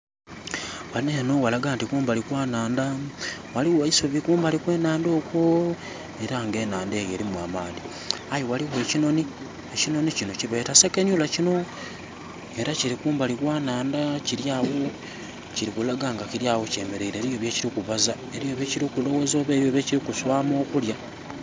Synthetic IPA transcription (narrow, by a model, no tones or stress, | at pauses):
wanenowalaɡaːntikuːmbalikwaːnaːndawaliwaisoβikuːmbalikwe̞ːnaːndo̞ːkwo | eɾaŋɡe̞ːnaːndeːjeɾimwaːmani | ajowaliweːcino̞ni | ecino̞nicinociβe̞ːtasekeɲulacino | eɾaciɾikuːmbalikwaːnaːndaciɾjaːwo | ciɾikulaɡaːŋɡaciɾjaːwoce̞ːmeɾe̞iɾeːβijoβjeciɾikuβaza | e̞ɾijo̞βeciɾikulo̞wozo̞ːβeːβjo̞βeciɾikuswaːmo̞ːkulja